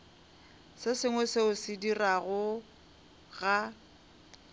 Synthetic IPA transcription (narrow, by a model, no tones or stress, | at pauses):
sɪsɪŋwɛsɪʊsɪdiraɣʊ | ɣa